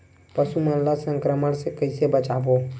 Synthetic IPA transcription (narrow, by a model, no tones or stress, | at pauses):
pəsumənlːasəŋkɾəməɽsekəɪsebət͡ʃabo